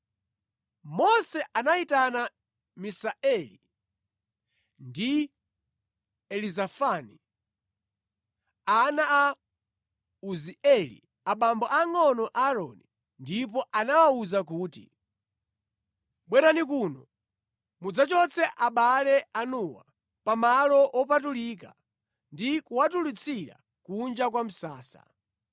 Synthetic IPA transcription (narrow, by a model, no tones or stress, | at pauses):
mɔsɛʔanaitana | misaʔɛli | ndi | ɛlizafani | anaa | uziɛlḭ | aɓambɔʔaŋɔnɔʔaɾɔ̰ni | ndipɔʔanawauzak̬uːti | ɓwɛɾanik̬uːnɔ | mud͡zat͡ʃɔt͡sʰɛʔaɓalɛanuwa̰ | pamalɔʔɔp̬atulika | ndikuwatulit͡sʰiɾa̰ | kund͡ʒak̬wam̩saːsa̰